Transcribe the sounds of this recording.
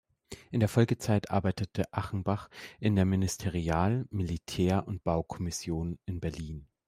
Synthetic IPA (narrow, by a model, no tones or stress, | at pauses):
ʔɪndeːɐfɔlɡət͡saɪtʔa̰ɐbaɪtətʰəʔaχn̩baχʔɪndeːɐmɪnɪstʰɛʁiaːlmilitʰɛːɐʊnt̚b̥aʊkʰɔmɪsjoːnɪnbɛɐliːn